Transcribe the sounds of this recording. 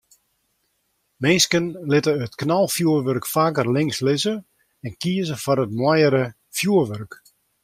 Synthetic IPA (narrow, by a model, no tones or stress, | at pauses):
mɪːskənlɪtəətknɔlˠfjuərʋørkfaːkərlɪŋslɪzə | ɛnkiəzəfɔɾətmwɔjəɾə | fjuərʋørk